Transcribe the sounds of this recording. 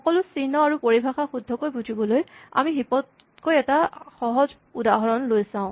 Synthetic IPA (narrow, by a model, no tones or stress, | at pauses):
xɔkɔlʊsinɔaɹupoɹibʱaxaxudʱːɔkojbuzibɔloja̰mixipɔd̚ | kojɛtaxɔɦɔz | udaɦɔɹɔnlojsãʊ̃